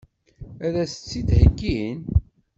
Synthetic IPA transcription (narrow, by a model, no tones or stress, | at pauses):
æðæsə̥t͡sːid̪həɡːin